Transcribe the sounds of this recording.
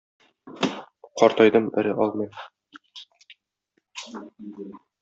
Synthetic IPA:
qɒɾt̪ɒjd̪ɤmɘ̆ɾɘʔɒlˠmɤj

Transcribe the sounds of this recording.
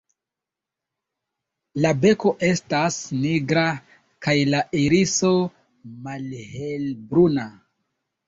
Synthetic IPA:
labe̞ko̞ʔe̞stasniɡɾa | kajlaʔiɾiso̞ | malhelbɾuna

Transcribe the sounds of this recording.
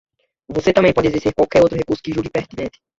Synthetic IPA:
voset̪ɐ̃mbẽj̃pɔd͡ʒɪezist̪eɾkwawkɛɾowt̪ɾʊhekuɾsʊ̥kɪʒuɡɪpeɾt̪inẽnt̪ɪ̥

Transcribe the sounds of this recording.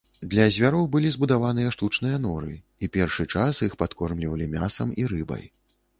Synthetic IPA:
d̪lʲɐzʲvʲaɾɔwbɨlʲizbud̪avan̪ɨjɐʂt̪ut͡ʂnɨjɐn̪ɔɾɨ̰ | ipʲɛrʂɨt͡ʂasixpat̪kɔrmlʲivɐlʲimʲasɐmiɾɨbɐ̰j

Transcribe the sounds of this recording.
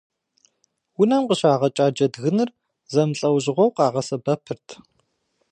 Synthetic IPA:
wʊnɐmqəɕaːʁɐt͡ʃʼaːd͡ʒɐdɣɨnɨr | zɐmɬʼɐwʑɪʁʷɔwqɑːʁɐsɐbɐpʰɨrtʰ

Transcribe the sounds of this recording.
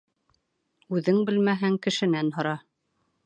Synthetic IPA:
ʉðɘŋbɘlmæɦæŋkɘ̆ʃɘ̆nænɦŏɾɑ

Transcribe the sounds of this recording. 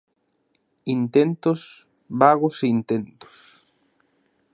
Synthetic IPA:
int̪ent̪os | βaɣoseint̪ẽnt̪ʊ̥s

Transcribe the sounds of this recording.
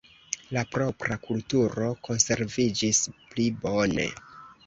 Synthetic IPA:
lapɾo̞pɾakultuɾo̞ko̞nse̞ɾvid͡ʒisplibo̞ne̞̰

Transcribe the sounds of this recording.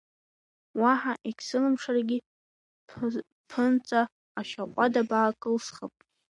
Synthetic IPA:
waħaʔekʲʰsɨlɨmʂarɡʲi | pʰɨnt͡sʼa | aʃaqʷʼadabaːkʼɨlsχəpʼ

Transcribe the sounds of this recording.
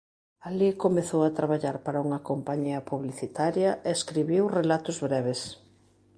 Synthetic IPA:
alikomeθowɐt̪ɾaβaʎaɾpaɾɐuŋɐkompaɲiɐpuβliθit̪aɾjɐʔeːskɾiβiwrelat̪ʊzβɾɛβes

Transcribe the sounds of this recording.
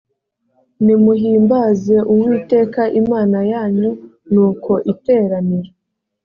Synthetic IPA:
nimuɦiːmbaːze̞ʔuwiːte̞ːkaʔimaːnajaːɲo | nuːko̞ʔite̞ːɾaniɾe

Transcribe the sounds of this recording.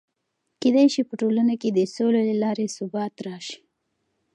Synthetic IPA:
ked̪ajʃipəʈolanaked̪əsololalɑɾesʊbɑt̪ɾɑʃi̥

